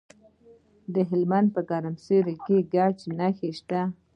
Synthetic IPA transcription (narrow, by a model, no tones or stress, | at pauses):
d̪əɦɪlmand̪̚pəkɑɾamseɾikeɡat͡ʃnaxeʃt̪a